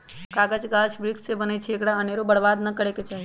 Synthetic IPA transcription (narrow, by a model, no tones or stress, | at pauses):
kaɡəd͡ʒɡaʃbɾiksebənet͡ʃʰekɽaəneɾobəɽbad̪nəkəɽeket͡ʃaɦi